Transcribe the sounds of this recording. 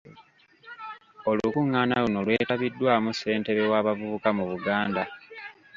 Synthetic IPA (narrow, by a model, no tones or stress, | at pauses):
o̞lukuŋːaːnaluno̞lwe̞ːtaβidːwaːmuse̞ːnte̞βe̞waːβavuukamuβuɡaːnda